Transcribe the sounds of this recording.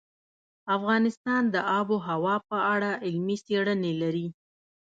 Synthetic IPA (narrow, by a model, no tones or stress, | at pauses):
afɣɑnɪst̪ɑnd̪əʔɑboɦawɑpəaɽaɪlmiseɽənelaɾi